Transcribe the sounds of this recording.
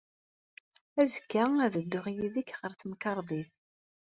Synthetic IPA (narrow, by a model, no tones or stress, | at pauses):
æzəkːææðəd̪ːʊʁjiðikːʁəɾθəmkɑɾˤðˤið